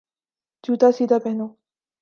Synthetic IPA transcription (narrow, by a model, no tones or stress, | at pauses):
d͡ʒuːt̪aːsiːd̪ʱapɛɦnoː